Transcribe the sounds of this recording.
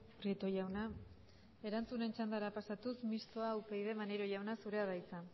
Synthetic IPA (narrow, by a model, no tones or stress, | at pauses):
prit̪o̞jawna | e̞ɾant͡sune̞nt͡ʃand̪aɾapasat̪usmist̪o̞aːwpejðe̞maneɾo̞jawnasuɾe̞aðajt͡sa